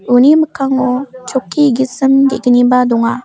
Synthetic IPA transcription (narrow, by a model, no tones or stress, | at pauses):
uniməkʰaŋɔt͡ʃɔkʰːiɡisɯmd̪ɛɡənibad̪ɔŋa